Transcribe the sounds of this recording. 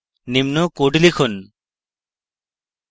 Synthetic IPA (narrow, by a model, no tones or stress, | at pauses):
nimnokoɖilikʰun